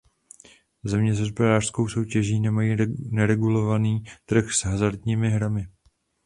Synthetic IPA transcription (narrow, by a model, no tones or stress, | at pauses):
zɛmɲɛzɦospɛɾaːr̥sko̞wso̞wcɛʒiːnɛmajiːnɛɾɛɡulo̞vaniːt̪r̩xsɦazaɾt̪ɲiːmɪɦɾamɪ